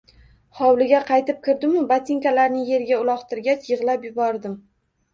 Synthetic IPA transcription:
χɒwlɪɡʲaqʰɑjt̪ɪp̚kʲʰɪɾd̪ɪmʊbat̪ʰɪŋkʲalaɾnɪje̞ɾɪɡʲaʊlˠɒχt̪ʰɪɾɡʲat͡ʃjɨʁlapjʊbɒɾd̪ɪm

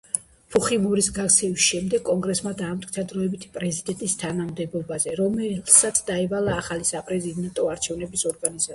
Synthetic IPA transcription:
pʰuχimɔɾisɡakt̪sʰɛvisʃɛmd̪ɛɡʼɔŋɡɾɛsmad̪aːmt̪ʰʼkʼit̪ʰad̪ɾɔɛbit̪ʰi̥pʼɾɛzid̪ɛnt̪ʼist̪ʰanamd̪ɛbɔbazɛɾɔmɛlsat̪sʰd̪aɛvalaːχalisapʼɾɛzid̪ɛnt̪ʼɔaɾt͡ʃʰɛvnɛbisɔɾɡaniza

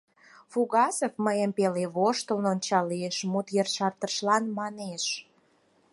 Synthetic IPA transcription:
fuɣɑsəfməjəmpeleβoʃt̪əlnont͡ɕɑlieʃmut̪jərʃɑrt̪əʃlɑnmɑneʃ

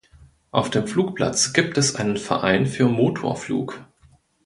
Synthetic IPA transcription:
ʔaʊfd̥eːmfluːkpla̰t͡sɡ̥iːp̚tɛsʔa̰ɪnənfɛɐʔa̰ɪnfyːɐmoːtʰo̰ːɐflṵːk

